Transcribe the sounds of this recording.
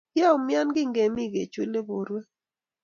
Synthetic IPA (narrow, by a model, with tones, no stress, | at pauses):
ja˦˨mɪ˦a˦nɡɪ˦ŋɡe˨mɪ˦˨ɡe˨t͡ʃwu˦le˦bo˨ɾwe˦